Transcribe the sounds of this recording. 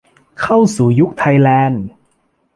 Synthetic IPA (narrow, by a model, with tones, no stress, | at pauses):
kʰa˥˩wsuː˨˩ju˦˥k̚t̪ʰa˧jlɛː˧n